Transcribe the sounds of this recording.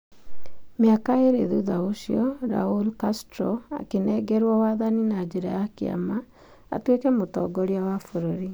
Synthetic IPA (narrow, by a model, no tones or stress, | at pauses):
mjakaeɾḛðuðaoʃjɔɾa̰ulkastɾɔa̰kenɛɡɛɾwɔwaðaninad͡ʒeɾa̰jakea̰ma | a̰twekɛmotɔ̰ɡɔɾeawafoɾoɾi